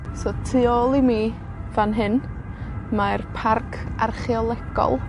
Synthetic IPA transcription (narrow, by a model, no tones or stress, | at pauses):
sotʰɨoːlˠimi | vanɦɨn | marpʰarkʰa̰rχiɔlˠɛɡɔ̰lˠ